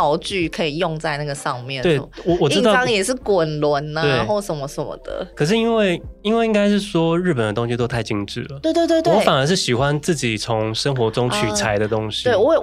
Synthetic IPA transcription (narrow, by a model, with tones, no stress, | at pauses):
ɑ˧ʊt͡ɕy˥˩kʰɤ˧˥i˨˩jo˥˧ŋt͡sa˥˧ɪna˥˩ɡə˩ʂɑ˥˧ŋmjɛ̰˥˨nwe˥˩ɪwɔ˨˩wɔ˨˩i˥ɻ̩˥t̪ɑ˥˨ɑ˥ŋjɛ˨˩ʂɻ̩˥˩kwə˨˩nlwə˧˦na˧we˥na˧˦xo˥˩ʊʂə˨˩nmə˦sə˨˩nmə̰˨˦d̪̥ə̰˨kʰɤ˨˩ʂ̬ɻ̩˥˩i˥nwe˥˩ɪi˥nwe˥˩ɪi˥ŋka˥ɪʂ̬ɻ̩˥˩ʂwɔ˥ɻɻ̩˥˩p̬ə˨˩nd̪ət̪ʊ˥ŋɕi˧t̪o˥ʊa˥˩ɪt͡ɕi˥ŋʈ͡ʂɻ̩˥˩lə˩we˥˧ɪt̪wt̪we˥˧t̪wɔ˧˦˥fa˨˩nə˞˧˥ʂɻ̩˥˩ɕi˨˩xwa˦nt͡sɹ̩˥˩t͡ɕi˨˩t͡sʰʊ˧˦ŋʂə˥ŋxwɔ˧˥ʈ͡ʂʊ˥ŋt͡ɕʰy˨˩t͡sʰa˧˦ɪd̪ə˧t̪ʊ˥ŋɕi̥˦we˥˩ɪwɔ˦˨˩